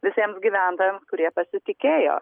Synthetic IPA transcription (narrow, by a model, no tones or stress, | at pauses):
ʋʲɪsʲiɛmsɡʲiːʋʲæˑnt̪oːjeːmskʊɾʲiɛpɐsʲɪt̪ʲɪkʲeːjo̰ː